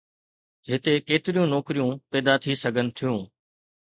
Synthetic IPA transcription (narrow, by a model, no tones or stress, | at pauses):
ɦɪt̪ekeːt̪ɪɾijũnɔːkɾijũːpɛːd̪at̪ʰisɐɡʱənɪ̆t̪ʰijũː